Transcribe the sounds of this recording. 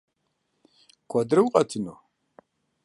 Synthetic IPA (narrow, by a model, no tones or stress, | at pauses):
kʷʰɐd̪ɾɨwqʼɐtʰɨno